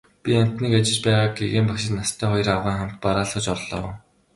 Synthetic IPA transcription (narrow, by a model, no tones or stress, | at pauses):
pʲiam̥ʲt̪niːkat͡ɕɪ̆t͡ɕpæːʁaːɡɡeɣeːmpakʃɪ̆t̪nast̪ʰœːχɔjɞ̆rawʁiːŋχam̥t̪̚paɾaːɮχɞ̆t͡ɕɔrɮɔ̰̆ː